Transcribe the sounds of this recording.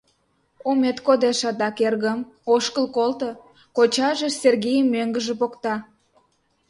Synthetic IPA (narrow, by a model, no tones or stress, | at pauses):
umet̪kod̪eʃɑt̪ɑkerɣəm | oʃkəlkolt̪o | kot͡ɕɑʒĕserɣijəmːøŋɡəʒĕpokt̪ɑ